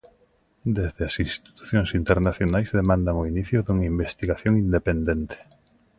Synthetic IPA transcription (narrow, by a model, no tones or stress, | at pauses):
d̪ezðɪɐsinst̪t̪i̥t̪u̥θjoŋsint̪eɾnaθjonajzðemãnd̪aŋoiniθjʊðuŋaimbest̪iɣaθjoŋind̪epend̪ent̪e̥